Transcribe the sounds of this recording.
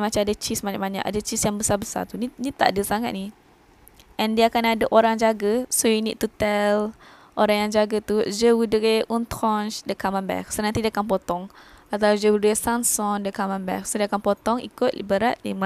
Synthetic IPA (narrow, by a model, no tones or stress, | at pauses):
mat͡ʃaadat͡ʃismaɲaʔ̚baɲa̰ka̰dat͡ʃisjaŋbəsabəsa̰t̪uninit̪aʔdəsaŋat̪̚ni | ʔɛ̃ndiakanadaʔoɾaŋd͡ʒaɡəsojunḭd̪̚t̪ut̪ɛl | ʔoɾaŋjaŋd͡ʒaɡat̪ud͡ʒəwudəɹeʔũnt̪ɾɔnt͡ʃdəkamãnbɛ̰k̚sonant̪idiakanpot̪ɔŋat̪awd͡ʒəwudəɾesansɔndəkamãnbɛ̰k̚sodiakanpɔt̪ɔŋḭkʊt̪̚lbəɾat̪̚lḭma